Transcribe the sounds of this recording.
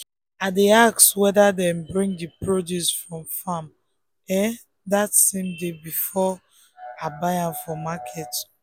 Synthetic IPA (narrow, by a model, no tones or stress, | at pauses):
adeakswɛdadɛ̃mbɹĩŋdipɹodjusfɹɔ̃mfam | ɛ | datsẽmdebifɔ | abaɪãmfɔmakʰɛt